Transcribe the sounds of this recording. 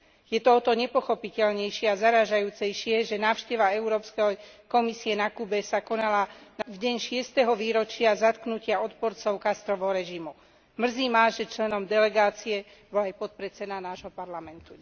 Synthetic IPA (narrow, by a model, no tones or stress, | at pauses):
jɛt̪ɔɔt̪ɔɲɛpɔxɔpicɛlɲɛjʃɪɛazaɾaːʒajuːt͡sɛjʃɪɛʒɛnaːʊʃcɛʋaɛuɾɔːpskɛkɔmisiɛnakuːbɛsakɔnalanavɟɛɲʃɪɛst̪ɛɦɔʋiːɾɔt͡ʃɪazat̪knucɪaɔt̪pɔɾt͡sɔʊkast̪ɾɔʋɔɾɛʒimu | mr̩ziːmaːʒɛt͡ʃlɛnɔmd̪ɛlɛɡaːt͡siɛ | bɔlajpɔt̪̚pɾɛt͡sɛd̪anaːʒɦɔpaɾlamɛnt̪u